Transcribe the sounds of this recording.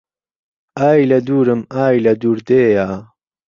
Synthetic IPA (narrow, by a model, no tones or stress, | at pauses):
aːjlɐd̪uːɾɨmaːjlɐd̪uːɾd̪eːjaː